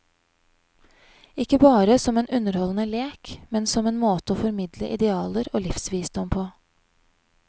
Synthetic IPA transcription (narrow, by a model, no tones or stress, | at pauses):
ɪkːəbɑːɾəsɔmeːnʉnəɾhɔlnəleːkmɛnsɔmeːnmoːt̪əoːfɔɾmɪd̪ləʔɪd̪ɛɑːləɾoːlɪfsʋiːsd̪ɔmpʰoː